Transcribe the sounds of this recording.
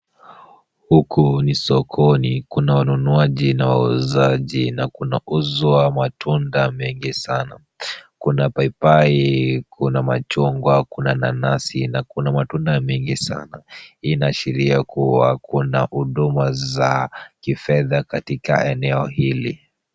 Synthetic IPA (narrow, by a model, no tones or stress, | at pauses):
hukʰunisɔkʰɔnikunawanunuaʄinawauzaʄinakunauzɔwamatʰundamɛŋɡisana | kunapaipaikunama̰t͡ʃɔŋɡwakunananasinakunamatundamɛŋɡisa̰nainaːʃiɾiakuwa̰kuna̰huɗumazakifɛðakatika̰ɛnɛɔhilḭ